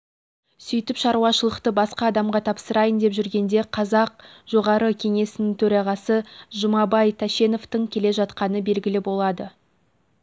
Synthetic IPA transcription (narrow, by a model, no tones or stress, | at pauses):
sʏjt̪ɪpʃɑɾuwɑʃəlˠəqt̪əbɑsqɑːd̪ɑmʁɑt̪ʰɑpsəɾɑjənd̪e̞pʒʏɾɡʲe̞nd̪e̞qʰɑzɑq̚ʒo̞ʁɑɾəkʲʰe̞ŋe̞sɪnɪŋt̪ʰɵɾɑʁɑsəʒʊmɑbɑjt̪ʰæʃe̞no̞ft̪əŋkʲʰe̞le̞ʒɑt̪qɑnəbe̞lɡʲɪlɪbo̞lˠɑd̪ə